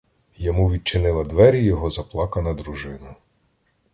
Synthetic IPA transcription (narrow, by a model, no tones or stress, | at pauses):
jɔmuʋʲid̪̚t͡ʃɪnɪlˠɐd̪ʋɛɾʲijɔɦɔzɐplˠɑkɐnɐd̪ɾuʒɪnʊ